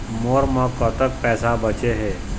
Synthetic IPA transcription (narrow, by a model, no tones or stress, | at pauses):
moːɾmɔkɔt̪ək̚pɛːsabət͡ʃeɦɛː